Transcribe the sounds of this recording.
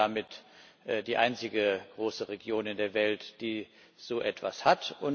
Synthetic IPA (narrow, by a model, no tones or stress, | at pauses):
amɪt | ʔdiːʔa̰ɪnt͡sɪɡəɡ̥ʁoːsəʁeɡjoːnɪndeːɐvɛltd̥iː | z̥oːʔɛtv̥a̰shatʊn